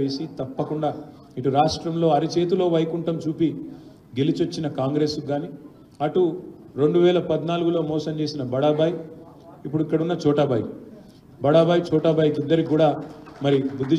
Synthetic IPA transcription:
eːsit̪ɐpːɐkuɳɖaː | iʈuɾaːʂʈɾɐmlo̞ːɐɾit͡ʃe̞ːt̪ulo̞ːʋɐjkuɳʈɐmt͡ʃuːpi | ɡe̞lit͡ʃot͡ʃːinɐkaːŋɡɾe̞suɡaːni | ɐʈu | ɾo̞ɳɖuʋɛːlɐpɐd̪naːluɡulo̞ːmɔːsɐmt͡ʃe̞ːsinɐbɐɽabaːj | ipːuɽuikːɐɽunːɐt͡ʃɔːʈɐbɐj | bɐɽabaːjt͡ʃɔːʈɐbɐːjkid̪ːɐɾikuːɽaːmɐɾibud̪ːi

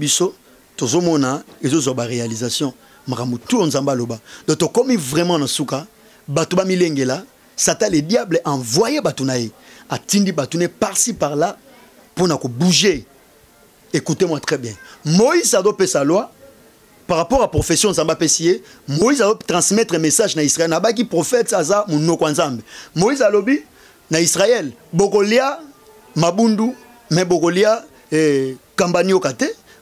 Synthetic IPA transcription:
biso | tozomɔnaezozwabaʁealizasjɔ̃ | makambutuonzãmbalobadɔtokɔmivʁɛmɑ̃nasuka | batobamileŋɡela | sataledjablɛʔãvwajebatonajeatindibatunɛpaʁsipaʁla | ponakobuʒe | ekutemwatχɛbjɛ̃moizazopesalwa | paʁapɔʁapʁofesjɔ̃zambapesiemojizazotʁɑ̃smɛtʁemesaʒnaisʁaɛlnabak̬ipʁofɛtazamonɔkɔanzambemoizalobi | naisʁaɛlbokolia | mabundu | mɛbokolia | kãmbaniokatɛ

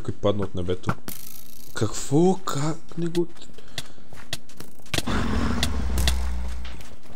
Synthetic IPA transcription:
kojpad̪nəot̪nɛbɛt̪o | kʰɐkv̥ɔkʰaknɛɡo

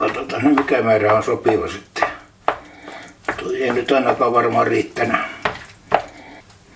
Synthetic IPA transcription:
ɑt̪ot̪ɑnomikæmæːræonsopiʋɑsit̪ːe̥ | t̪oeinyt̪ɑˑinɑkɑːʋɑrmɑriːt̪ːænæ

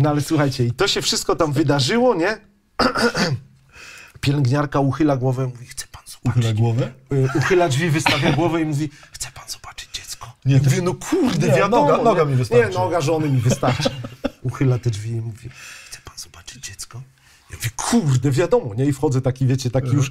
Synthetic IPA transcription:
nɔalɛswuxajt͡ɕɛit̪ɔɕɛfʂɘ̥st̪̚kɔt̪amvɘd̪aʐɘwɔɲɛ | pʲjɛlɛŋɡɲaɾkauxɘlaɡwɔvɛimuvʲixt̪ɛ̥panzɔb̥aɡɔvɛuxɘlad͡ʐvʲivɘst̪avʲjaɡwɔvɛimuvʲixt̪sɛ̥panzɔ̥b̥ḁt͡ʂɘ̥d͡ʑd͡ʑɛt̪skɔ̥ɛmuvʲinɔkʰuɾd̪ɛvjad̪ɔɔɔɔɲmivsɲɛnɔːɡaʐɔnɘmʲivɘst̪aɾt͡ʃauxɘlat̪ɛd͡ʐvʲiimuvʲixt̪ɛ̥panzɔb̥ḁt͡ʂɘ̥d͡ʑd͡ʑɛt̪skɔ | jamuvʲikʰurd̪ɛvʲjad̪ɔmɔɲɛifxɔd̪zɛt̪akʲivʲjet͡ɕɛt̪akʲijuʂ

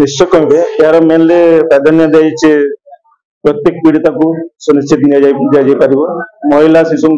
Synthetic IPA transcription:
nist͡ʃɔkɔmbeeaɾɔmenlepɾad̪ʱanjad̪ajt͡ʃʰe | pɾɔt̪jek̚piɽit̪akusɔnist͡ʃʰit̪nijad͡ʒajd͡ʒad͡ʒajpaɾibɔmɔɦilasisɔŋ

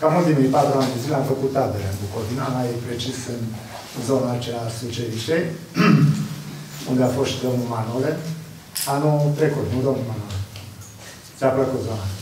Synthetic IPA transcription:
kanult̪imijpat̪ɾuand̪e̞zileamfəkut̪ːabelənbukod̪inamajpɾet͡ʃisɨn | zo̞naːt͡ʃeasut͡ʃeliʃej | und̪eafosʃd̪o̞mnulmanole | anut̪ɾekut̪nud̪omnulmanole | sapləkut̪zona

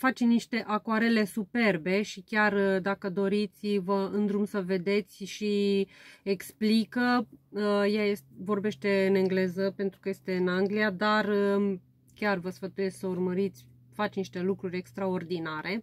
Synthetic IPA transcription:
fat͡ʃniʃt̪e̞ʔakoaɾe̞le̞supe̞rbe̞ʃikʲard̪akəd̪o̞ɾit̪sʲvəɨnd̪ɾumsəve̞d̪e̞t̪sʲʃi | eksplikə | jajesvo̞rbe̞ʃt̪e̞ɨneŋɡle̞zəpe̞nt̪ɾukəje̞st̪e̞ɨnaŋɡliad̪ar | kʲarvəsfət̪uje̞sksəurməɾit̪sʲ | fat͡ʃniʃt̪e̞lukɾuɾʲe̞kst̪ɾao̞rd̪inaɾe̞

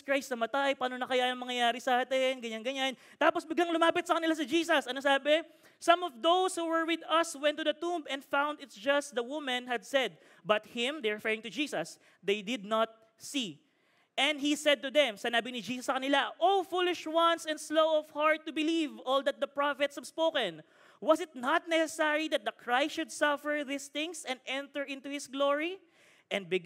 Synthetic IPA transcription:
skɹajsnɐmɐt̪ajpaːnonɐkɐjaɐŋmɐŋɐjaːɾɪsɐʔaːt̪ɪnɡɐɲanɡɐɲan | t̪aːposbɪɡlaŋlʊmaːpɪt̪sɐkɐnɪlas̬ɪd͡ʒiːsɐsʔɐnosaːbɛ | sɐ̃mɔvd̪owshuːwɛɹwɪd̪ɐswɛ̃nt̪ːʊd̪ɐt̪ũmbɛ̃nd̪fãwnd̪ɪt̪sd͡ʒɐst̪̚d̪ɐwʊmɐ̃nɦɐd̪̚sɛd̪̚ | bɐt̪̚hɪ̃md̪ɛɹɪfɛɹɪ̃ŋt̪ʊd͡ʒiːsɐs | d̪ejd̪ɪd̪̚nɐt̪̚ | si | ʔɛ̃nd̪hisɛd̪̚t̪ʊd̪ɛ̃msɪnaːbinɪd͡ʒiːsɐsːɐkɐnɪlaʔofulɪʃwʌ̃nsɛ̃nd̪slowɔv̥haɹt̪̚ːʊbɪlivɔld̪ɐt̪̚d̪ɐpɹafɛt̪shɐbspokɛ̃n | wʌsɪt̪̚nat̪̚nɛsɛsɛɹid̪ɐt̪̚d̪ɐkʰɹajstʃʊd̪sʌfɛɹðɪst̪ɪ̃ŋsɛ̃nd̪ɛ̃nt̪əɹɪ̃nt̪uhɪsɡloɹi | ʔɛ̃nd̚bɪɡ

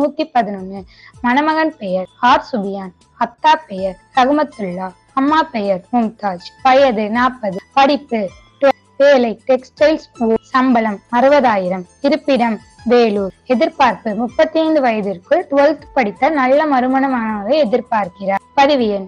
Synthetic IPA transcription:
nuːt̪ːipɐðɪnɐnːɯ | mɐnɐmɐɣɐnpɛjɐɾaːɾsʊbɪjaːn | ɐt̪ːaːpɛjɐɾsɐɣɯmɐt̪ːɯɭːaː | ɐmːaːpɛjɐɾmʊmt̪aːt͡ʃpɐjɐðɯnaːpːɐðɯpɐɽɪpːɯ | ʈ | ʋeːlɐɪʈɛksʈɐɪlsuːsɐmbɐlɐmɐɾɯʋɐðaːjɪɾɐmt̪ɪɾɯpːɪɽɐm | ʋeːluːɛðɪɾpaːɾpɯmʊpːɐt̪ːiɐɪnd̪ɯʋɐjɐðɪrkɯʈʊʋɐlt̪pɐɽɪt̪ːɐnɐlːɐmɐɾɯmɐnɐmɐnɐmɐɣɐɛðɪɾpaːɾkɪraːɾpɐðɪʋɪjɐn

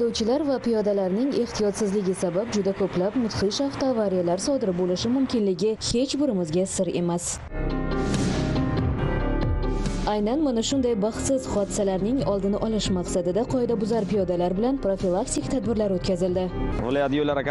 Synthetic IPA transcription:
d̪owt͡ʃʰɪlaɾvapijɒd̪alaɾnɪŋe̞ht̪ʰijɒt̪sɪzlɪɡʲɪsabap̚d͡ʒʊd̪akʰoplapmʊt̪χiʃaft̪oavaɾijalaɾsɒd̪ɪɾɪbolɪʃɪmʊmkʲɪnlɪɡʲɪhe̞t͡ʃbʊɾɪmɪzɡʲasɪɾe̞mas | ajnanmʊnaʃʊnd̪ajbɑχt̪sɪz̥χɒd̪ɪsalaɾnɪŋɒlˠd̪ɪnɪʔɒlɪʃmaqsad̪ɪd̪aqʰɒjɪd̪abʊzaɾpijɒd̪alaɾbɪlanpɾofilˠakt̪ʰikʲt̪ʰad̪̚bɪɾlaɾot̪kʲʰazɪld̪ɪvɪljat̪jolːaɾakʲ

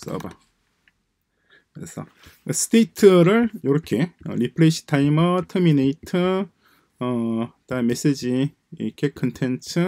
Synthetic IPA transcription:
s͈ʌ̰ba̰ | kɯɾḛsʰʌ̰ | sʰɯ̥tʰeitʰɯɾɯɭjoɾʌkʰe̞ʌ̰ɾipʰɯɭeɕʰi̥tʰaimʌtʰʌmineitʰɯː | tame̞s͈ed͡ʑi | iʌkʰekʰʌntʰent͡ɕʰɯ

